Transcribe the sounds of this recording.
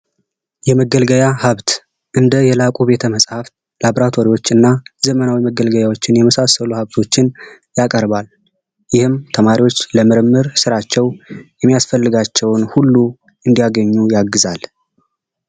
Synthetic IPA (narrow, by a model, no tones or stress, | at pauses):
jɛməɡəlɡəjahaβt̪ | ʔɨnd̪əjɛlakʼube̞t̪ʰəməsʼhaf | laβɾat̪ʰo̞ɾiwo̞t͡ʃːɨnːazəmənawiməɡəlɡəjawo̞t͡ʃːɪnjɛməsasəluhaβt̪ʰo̞t͡ʃːɪn | jakʼəɾbal | jɪhɨmt̪ʰəmaɾiwo̞t͡ʃːləmɨɾɨmːɨɾsɨɾat͡ʃːɛwjɛmːijasfəlːɨɡat͡ʃːɛwnhulːu | ʔɨnd̪ijaɡəɲːujaɡːɨzal